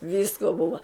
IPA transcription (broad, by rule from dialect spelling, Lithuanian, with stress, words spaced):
ˈʋʲiːskoː ˈbʊʋɐ